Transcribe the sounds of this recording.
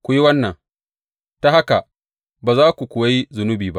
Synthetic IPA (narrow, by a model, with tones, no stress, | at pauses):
kʷʊ˨˦ji˦wɐ˦nːɐ˨ŋ | ta˦ha˦ka˨ | baː˨zaː˦kʷu˨kʷʊ˨wa˦ji˦zʊ˨nʊ˦biː˨ba̰˦ʔ